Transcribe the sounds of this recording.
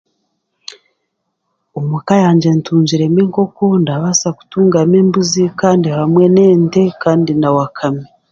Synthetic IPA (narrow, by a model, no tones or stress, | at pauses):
omukajaːɲd͡ʒe̞ntuːɲd͡ʒiɾe̞miːŋko̞ko̞ndaβasaku̥tuːŋɡameːmbuzikaːndihamwe̞ne̞ːnte̞kaːndinawakʰami